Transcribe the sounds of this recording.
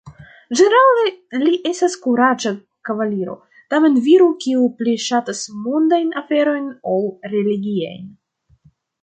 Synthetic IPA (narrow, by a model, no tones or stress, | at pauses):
d͡ʒeneɾaleliʔe̞staskuɾat͡ʃa | kavaliɾo̞̰ | tame̞nviɾukiupliʃatasmundajnafe̞ɾo̞jnawɾe̞liɡia̰jn